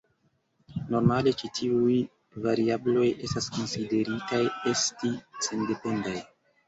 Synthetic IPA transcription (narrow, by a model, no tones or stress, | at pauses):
no̞ɾmale̞t͡ʃitʰiuj | vaɾiablo̞je̞staskonside̞ɾitaje̞stisende̞po̞ndaj